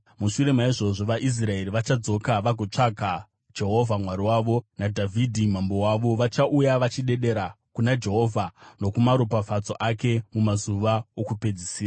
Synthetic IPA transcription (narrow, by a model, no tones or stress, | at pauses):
muʃuɾe̞maiʐo̞ʐo̞ʋaʔis̬rae̞ɾiʋat͡ʃad͡zo̞kaʋaɡʱot͡ʂaɡʱa | d͡ʒe̞ɦo̞vʱamwaɾiwaːʋo̞nadʱavʱidʱim̤ambo̞waʋo̞ʋat͡ʃaʔujaʋat͡ʃiɗe̞ɗe̞ɾa | kunad͡ʒe̞ɦo̞ːvʱano̞kumaɾopafat͡so̞ʔake̞mumazuʋaokupe̞d͡zisiːra